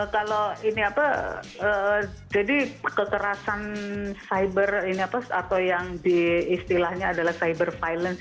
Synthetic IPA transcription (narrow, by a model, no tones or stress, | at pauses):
əkaloiniapa | ə | d͡ʒadikəkəɾasansajbəriniapasa̰t̪awjaŋdiːst̪ilahɲaːdalahsajbərfajlən